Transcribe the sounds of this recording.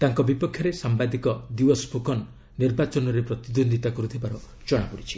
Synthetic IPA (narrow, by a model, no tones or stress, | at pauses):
t̪aŋkɔbipɔkʰːjɔɾesambad̪ikɔd̪iɔspukʰɔnː | iɾbat͡ʃɔnɔɾepɾɔt̪id̪ond̪it̪akɔɾut̪ʰibaɾɔ | d͡ʒɔɽ̃apɔɽit͡ʃʰi̥